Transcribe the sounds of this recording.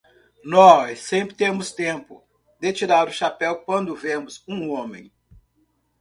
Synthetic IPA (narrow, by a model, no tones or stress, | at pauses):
nɔsẽpɾɪt̪ẽmʊst̪ẽpʊ | d̪et͡ʃiɾaɾʊʃapɛwkwɐ̃nd̪ʊvẽmʊzũõmḛ̃j̃